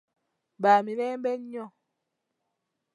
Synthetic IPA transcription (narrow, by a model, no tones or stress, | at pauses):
baminɛːmbɛɲɲɔ